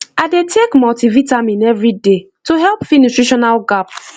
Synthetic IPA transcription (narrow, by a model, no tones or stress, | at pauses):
aɪdetʰekmɔltivitamĩnɛvɹide | toɦɛlˠpfinutɹiʃɔnalɡap